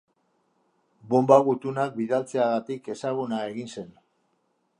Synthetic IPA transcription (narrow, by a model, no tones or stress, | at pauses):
bo̞mbaɣut̪unak̚biðalt͡se̞aɣat̪ike̞saɣ̞unae̞ɣinse̞n